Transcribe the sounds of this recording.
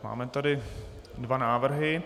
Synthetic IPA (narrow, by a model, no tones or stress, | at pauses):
ma̰ːmɛt̪adɪ | dvanaːvr̩ɦɪ